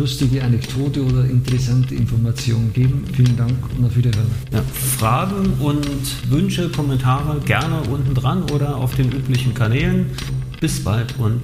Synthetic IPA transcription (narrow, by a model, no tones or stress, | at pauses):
ʊstɪɡəanɛkd̥ʰoːtəoːdɐʔɪntəʁɛsantəɪ̰nfɔɐmat͡sjoːnənɡ̥eːbm̩fiːləndaŋkʊntd̥afyɐdiɐɦøːɐəja̰ː | fʁ̥aːɡŋ̩ʔʊnt | vʏnʃəkʰɔmɛntʰaːʁəɡɛɐnəʔʊntn̩dʁanʔoːɾɐa̰ʊfd̥eːnʔyːplɪçn̩kʰanɛːlən | b̥ɪsb̥a̰ltʰʔʊnt